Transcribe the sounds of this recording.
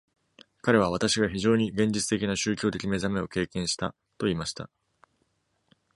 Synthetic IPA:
kaɾe̞β̞aβ̞at̪aɕiɡaçiʑo̞ːɲ̟iɡẽ̞ɲd͡ʑit͡sɨ̥t̪e̞kʲinaɕɨːkʲo̞ːt̪̬e̞kʲime̞zame̞o̞ke̞ːkẽɰ̃ɕi̥t̪a̰ | t̪o̞iːmaɕi̥t̪a̰

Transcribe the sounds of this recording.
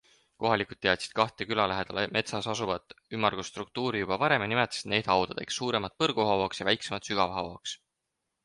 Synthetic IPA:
ko̞ɦɑlikˑud̪̥̚t̪ːe̞ɑt̪si̥d̪̥̚kɑht̪ˑekylɑlæɦed̪̥ɑlemʔe̞t̪sɑsɑsuvɑd̪ymːɑrɡ̥ust̪ruk̚t̪uːɾijub̥ɑvɑɾe̞menimet̪ːˑɑ̥sit̪ne̞ːd̪hɑwd̪̥ɑd̪ḛksːuːɾe̞mɑt̪̚pɤrɡ̥uhɑwoksjɑvæjksemɑt̪syɡ̥ɑvhɑwoks

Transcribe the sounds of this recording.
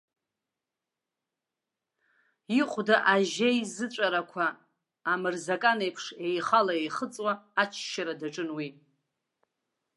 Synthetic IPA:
iqʷʼdaʔaʒejzɨt͡ʃʷʼaɾakʷʰaː | mɨrzakʼanejpʰʂe̞jχalaejχət͡sʼwaːt͡ʃʰʃaɾadaʈ͡ʂʼɨnwi

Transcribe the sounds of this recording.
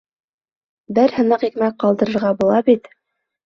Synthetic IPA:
bɘɾhɤ̆nɤqikmæk̚qɑlˠd̪ɤ̆ɾɤ̆ɾʁɑbulˠɑbit̪

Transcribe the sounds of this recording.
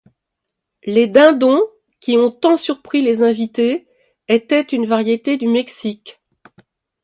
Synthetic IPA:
led̪ɛ̃d̪ɔ̃ | kʲiɔ̃t̪ɑ̃syʁpχilezɛ̃vit̪e | et̪ɛt̪ynvaʁjet̪ed̪ymɛksikʲ

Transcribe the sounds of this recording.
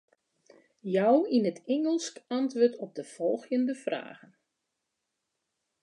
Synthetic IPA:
jɔwinətʰɛŋəlˠskantʋoːtʰɔp̚dəfɔlˠxjəndəfra̰ːɣən

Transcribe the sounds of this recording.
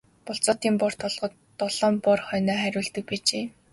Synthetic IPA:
pʊɬt͡sɔːt̪iːmpʊr̥t̪ʰʊɮʁɞ̆t̪ːɔɮ̥ɔːmpʊrχœnɔːχæɾʲʊːɮt̪ɘ̆k̚piːt͡ɕeː

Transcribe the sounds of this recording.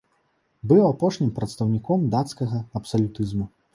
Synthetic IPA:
bɨwapɔʂnʲimpɾɐt̪st̪ɐwnʲikɔmd̪at̪skɐɣɐɐpsɐlʲut̪ɨzmu

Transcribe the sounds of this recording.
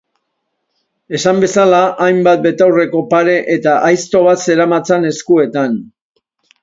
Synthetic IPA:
e̞sambe̞salaʔajmbat̪̚be̞t̪awre̞ko̞paɾe̞ʔet̪aʔajst̪o̞β̞at̪se̞ɾamat͡sane̞skue̞t̪an

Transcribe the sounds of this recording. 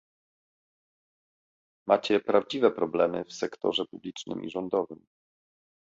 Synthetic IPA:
mat͡ɕɛpɾavd͡ʑivɛpɾɔblɛmɘfsɛkt̪ɔ̰ʐɛpublʲit͡ʂnɘ̰mʔḭʐɔnd̪ɔvɘm

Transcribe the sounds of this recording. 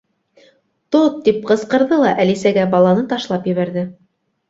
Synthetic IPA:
t̪ot̪ːip̚qɤ̆sqɤ̆ɾðɤlˠɑʔælisæɡæbɑlˠɑnɤt̪ɑʃlˠɑpjɘ̆βæɾðɘ

